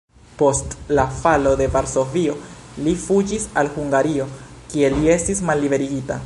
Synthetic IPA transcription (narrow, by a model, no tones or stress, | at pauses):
po̞stlafalo̞de̞vaɾso̞vio̞lifud͡ʒisalhuŋɡaɾio̞kie̞lie̞stismalːibe̞ɾiɡita